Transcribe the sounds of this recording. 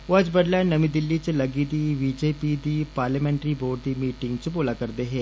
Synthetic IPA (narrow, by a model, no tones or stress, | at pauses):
oəd͡ʒbəɖlɛːnəmĩːd̪ɪlːiːt͡ʃləɡiːd̪iːʋiːd͡ʒeːpiːd̪iːpaːɾləːmɛ̃ːɳʈɾiːboːɖd̪iːmiːʈɪŋɡt͡ʃboːlaːkəɾd̪eːɦɛː